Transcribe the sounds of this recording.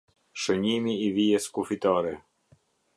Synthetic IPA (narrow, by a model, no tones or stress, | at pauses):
ʃəɲimiːviɛskufit̪aɾɛ